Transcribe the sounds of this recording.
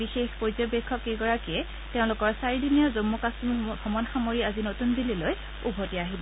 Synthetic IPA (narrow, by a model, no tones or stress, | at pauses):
bixexpozɔbɛkʰːɔkeɡɔɹakiɛ | teʊ̃lʊkɔɹsaɹidinijɔzomːukasmiɡʱɔmɔnxamoɹiazinotundililoj | ubʱotiaɦibɔ